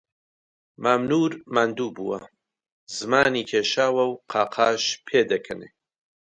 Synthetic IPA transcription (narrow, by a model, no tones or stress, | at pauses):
maːmnuːɾmand̪uːbuwɐ̰ | zɨmaːniːkʰeːʃaːwɐwqʰaːqʰaːʃpʰeːd̪ɐkʰɐnḛ